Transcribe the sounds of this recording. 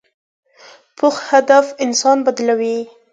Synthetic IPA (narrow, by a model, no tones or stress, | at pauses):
pʰʊxhad̪afɪnsɑnbad̪lawi